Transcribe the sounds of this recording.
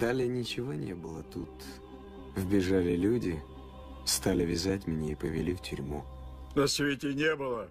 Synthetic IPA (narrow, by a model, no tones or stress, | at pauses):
d̪̥alʲɪənʲɪt͡ɕɪvo̞nʲebɨlˠət̪ut̪ | vbʲɪʐalʲɪlʲudʲɪ | st̪alʲɪvʲɪzatʲmʲnʲeɪpəvʲɪ̰lʲiftʲʏɾʲmu | nɐsʲvʲetʲɪnʲebɨlˠə